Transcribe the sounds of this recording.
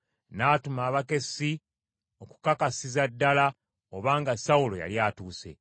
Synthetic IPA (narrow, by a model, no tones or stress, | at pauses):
naːtumaːβake̞si | o̞ku̥kakasizadːala | oβaːŋɡasaulo̞̰ja̰ljaːtuːse̞̰